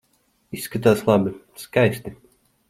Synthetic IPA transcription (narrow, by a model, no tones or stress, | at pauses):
isːkat̪aːslˠabi | skajsʲt̪i